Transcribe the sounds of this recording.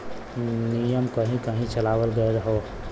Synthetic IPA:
nijəmkəɦĩkəɦĩt͡ʃəlaʋəlɡəeɾəɦo

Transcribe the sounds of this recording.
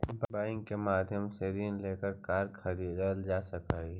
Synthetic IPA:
bbaːɪ̃ŋɡkemaːd̪ʱjəmseɾiːnleːkəɾkaːɾkʰɐd̪iɾəld͡ʒaːsɐkaːi

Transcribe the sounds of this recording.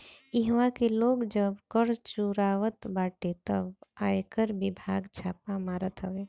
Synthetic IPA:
ɪɦʋãkeloːɡd͡ʒəbkəɾt͡ʃuɾaʋət̪baːʈet̪əbaːjkəɾbɪbʱaːɡt͡ʃʰaːpamaːɾət̪ɦəʋe

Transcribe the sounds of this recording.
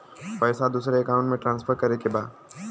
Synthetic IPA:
pəːsad̪uːsɾeɐkãːʊ̃ɳʈmẽʈɾãːnsfʰəɾkɐɾekebaːd̪

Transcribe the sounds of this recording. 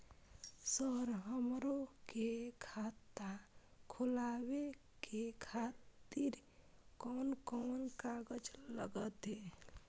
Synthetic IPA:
səɾɦəmɾokekʰat̪akʰulawe | kekʰatt̪iɾkoːnkɔnkaɡəd͡ʒləɡət̪ɦe

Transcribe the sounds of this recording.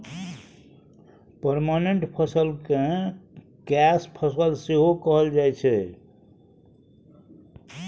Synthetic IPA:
pəɾmaneɳʈpʰəsəlkẽ | kɛspʰəsəlseɦokəɦəld͡ʒajt͡ʃʰɛ

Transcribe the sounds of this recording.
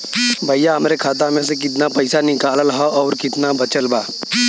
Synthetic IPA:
bʱɐjjaɦɐmɾekʰaːt̪̬amẽs̬ek̬ɪt̪̬napɐɪsanɪkaːllɦaʔɔːɾkɪt̪nabɐt͡ʃəlbaː

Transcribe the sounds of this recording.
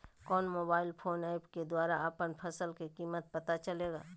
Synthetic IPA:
kɔːnmoːbaːɪlpʰoːnaːɪpked̪waːɾaapənpʰəsəlkekiːmət̪̚pɐt̪at͡ʃəleːɡa̰ː

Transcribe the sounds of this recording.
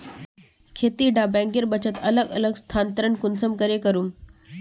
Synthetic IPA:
kʰet̪iːɖabɛ̃ŋkeɾbət͡ɕət̪ələɡə̰ləɡst̪ʰant̪əɾəɳkunsəmkəɾekəɾuːm

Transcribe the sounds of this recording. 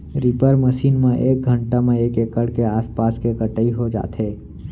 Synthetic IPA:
ɾipəɾməʃiːnmẽʔeːk̚ɡʱə̃ɳʈamẽeːkeːkəɽkeaːspaːskekəʈəiɦod͡ʒa̰ːt̪ɦeː

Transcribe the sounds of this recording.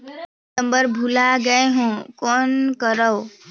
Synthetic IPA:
əmbəɾbʱulaɡəeɦõkonkəɾəw

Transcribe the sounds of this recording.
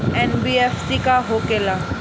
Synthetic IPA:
ɛ̃nbiefsikaɦokela

